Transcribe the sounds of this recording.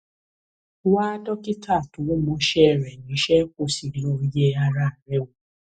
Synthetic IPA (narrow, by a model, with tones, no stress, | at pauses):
wa˦dɔ˦ki˦tʰa˦˨to˨wo˦mɔ̃˨˦ʃɛ˦˨ɾɛ˨nĩ˨˦ʃɛ˦ko˦˨si˨lɔ˧ɾi˦jɛ˦a˧ɾa˦˨a˨ɾɛ˦o˨